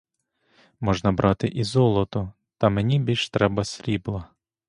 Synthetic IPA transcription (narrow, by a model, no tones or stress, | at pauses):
mɔʒnɐbɾʔɑt̪ɪʔizɔlˠɔt̪ʊ | t̪ɐmenʲibʲilʲʃt̪ɾɛbɐsʲɾʲiblˠɐ